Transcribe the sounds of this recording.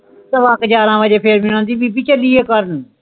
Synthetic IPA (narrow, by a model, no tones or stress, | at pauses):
t̪əʋaːkd͡ʒaːɾãːʋəd͡ʒeːpʰeːɾmɪnãːnt̪iːbiːbit͡ʃəliːeːkəɾən